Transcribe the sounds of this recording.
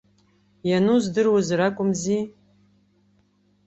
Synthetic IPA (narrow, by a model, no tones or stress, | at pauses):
januzdɨrwazrakʷʼʊmzi